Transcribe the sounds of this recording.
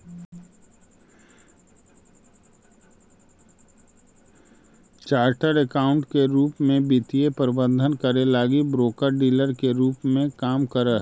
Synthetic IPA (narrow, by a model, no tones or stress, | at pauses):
t͡ʃaːɾʈəɾəkaːʊ̃ɳʈkeɾuːpmẽbit̪iepəɾɪbə̃nd̪ʱənkəɾelaːɡibɾoːkəɾɖiːləɾkeɾuːpmẽkaːmkəɾəɦ